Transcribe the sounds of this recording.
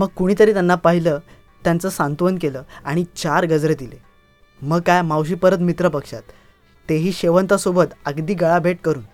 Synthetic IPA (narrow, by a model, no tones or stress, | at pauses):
məɡ̚kuɽ̃iːt̪əɾiːt̪janːapaɦiləː | t̪jant͡səːsant̪ʋənkeləːaɽ̃it͡ɕaɾɡəd͡zɾed̪ile | məɡkajmawɕ̬iːpəɾət̪mit̪ɾəpəkʂa̰t̪ː | eɦiːɕeʋənt̪asobət̪əɡd̪iːɡəɭabʱeʈkəɾuːn